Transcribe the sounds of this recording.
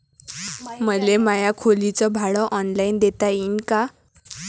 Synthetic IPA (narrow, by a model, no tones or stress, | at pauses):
məlemajakʰolit͡sɔbʱaɭɔʔɔnlajnd̪et̪ainka